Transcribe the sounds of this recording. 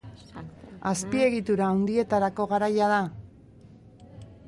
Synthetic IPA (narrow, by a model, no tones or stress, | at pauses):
aspie̞ɣit̪uɾaːwnd̪ie̞t̪aɾako̞ɣaɾajað̞a